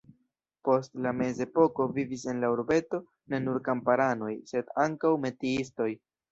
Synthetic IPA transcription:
po̞stlame̞ze̞po̞ko̞vivis̬e̞nlauɾbe̞to̞ | ne̞nuɾkampaɾano̞jse̞daŋkawme̞tiisto̞j

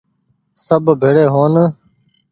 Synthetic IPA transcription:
səbʱbʱeːɽeːɦoːn

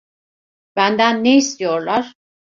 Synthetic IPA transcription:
b̥ænd̪ænːeist̪ijoɾlaɾ

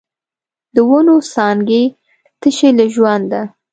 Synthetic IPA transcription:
d̪əwʊnosɑŋɡe | t̪əʃelaʒwand̪d̪a

